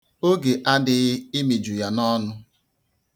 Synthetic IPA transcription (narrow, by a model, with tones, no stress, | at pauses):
o˦ɡe˨ʔa˦dɪ˨ɣɪ˦ɪ˦mi˨d͡ʒu˨ja˦nɔ˦nʊ˦